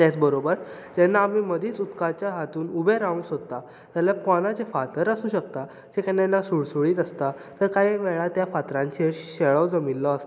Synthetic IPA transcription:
t̪ɛt͡sbəɾobəɾd͡ʑɛnːaːm̤iːməd̪ʱiːt͡sut̪kat͡ɕjaɦat̪uːnubʱeɾaũŋɡsɦot̪a | t̪jaljapɔnat͡sefat̪əɾəsuːɕək̚t̪a | d͡ʑekanːanːasuɽsuɭiːt̪əst̪at̪əɾkaɦiʋɛɭat̪jafat̪ɾãɲt͡ɕʰeɕeɭəwd͡zəmilːɔəst̪

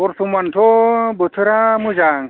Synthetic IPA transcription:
ɔɾsʰumantʰɔbɯt̪ʰɯɾamuzaŋ

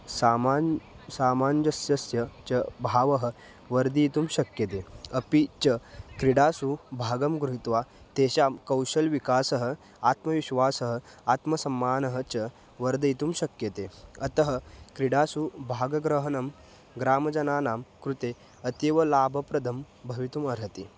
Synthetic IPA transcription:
sama | saːmaːnd͡ʑɐsjɐsjɐt͡ɕɐbʱaːʋɐɦə | ʋɐɾd̪iːt̪uːmɕɐkjɐt̪eɐpit͡ɕɐkɾiɽaːsubʱaːɡɐmɡɾuɦit̪ʋa | t̪eɕamkɐwɕɐlʋikaːsɐɦə | aːt̪mɐʋiɕʋaːsɐɦə | at̪mɐsɐmːaːnɐɦə̆t͡ɕɐ | ʋɐɾd̪ɐit̪uːmɕɐkjɐt̪eɐt̪ɐɦəkɾiɽaːsubʱaːɡɐɡɾəɦɐnɐm | ɡɾaːmɐd͡ʒɐnaːnaːmkɾut̪e | ɐt̪iʋɐlaːbʱɐpɾɐd̪ʱɐm | bʱɐʋit̪umɐɾɦɐt̪i

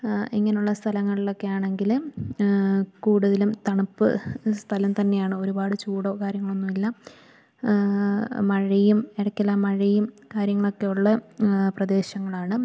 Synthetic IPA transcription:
iŋːɐnejuɭːɐst̪ʰɐlɐŋːɐɭilo̞kːe̞jaːɳe̞ŋɡil | kuːɽuðɐlumt̪ɐɳupːɨ̰st̪ʰɐlɐmt̪ɐnːe̞jaːɳɨo̞ɾubaːɽɨt͡ɕuːɽoːkaːɾjɐŋːɐɭo̞nːumilːɐ | mɐɻijumeɽɐkʲːɐlamɐɻijum | kaːɾjɐŋːɐɭo̞kːe̞juɭːɐprɐd̪e̞ːɕɐŋːɐɭaːɳɨ

